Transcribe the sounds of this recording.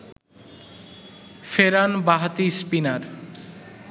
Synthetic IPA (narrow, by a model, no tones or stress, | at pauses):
feɾanbaɦat̪ispinaɾ